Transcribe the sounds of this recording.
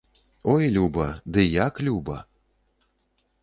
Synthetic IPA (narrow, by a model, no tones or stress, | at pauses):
ɔjlʲubɐd̪ɨjaklʲubɐ̰